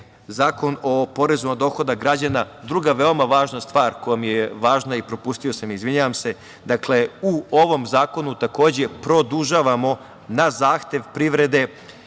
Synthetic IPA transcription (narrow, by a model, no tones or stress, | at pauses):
zaːko̞no̞po̞ɾe̞zumad̪o̞ːxo̞d̪aɡɾad͡ʑana | d̪ɾuɡaʋe̞o̞maʋaːʒnast̪ʋaːɾkojamijeʋaːʒnaipɾo̞puːst̪io̞samizʋiɲaʋamse̞ | d̪akle̞uo̞ʋo̞mzaːko̞nut̪ako̞ːd͡ʑe̞pɾo̞d̪uʒaʋamo̞ | nazaːxt̪e̞ʋpɾiʋɾe̞d̪e̞